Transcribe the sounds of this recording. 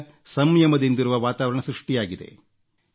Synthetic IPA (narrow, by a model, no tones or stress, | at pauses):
sɐmjɐmɐd̪ind̪iɾuʋɐʋaːt̪aːʋɐɾɐɳɐsɾɨʂʈijaːɡid̪e̞̰